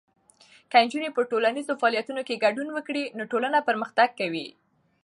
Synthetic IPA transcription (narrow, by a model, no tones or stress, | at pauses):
kand͡ʒunepəʈolanizofaɑlijat̪unokeɡaɖunwəkɽinoʈolanapəɾməxt̪aɡ̚kːawi